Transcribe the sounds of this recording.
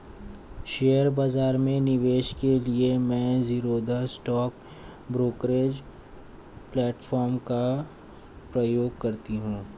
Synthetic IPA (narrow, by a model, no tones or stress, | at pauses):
ʃeːəɾbaːzaːɾmẽnɪʋeːʃkeliemɛ̃ːziːɾod̪əsːʈɔːk | bɾoːkɾeːd͡ʒ | plɛːʈfʰɔːɾmka | pɾɐjoːɡ̚kɐɾt̪iɦũː